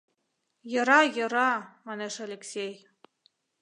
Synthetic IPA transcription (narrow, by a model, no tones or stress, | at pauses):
jɤ̆ɾɑjɤ̆ɾɑmɑneʃalʲeksʲej